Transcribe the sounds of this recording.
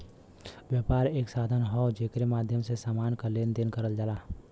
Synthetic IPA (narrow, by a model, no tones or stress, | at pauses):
ʋjəːpaːɾeːksaːd̪ʱənɦɔwd͡ʒeːkɾemaːd̪ʱjəmsesaːmaːnkaleːnd̪enkəɾəld͡ʒalaː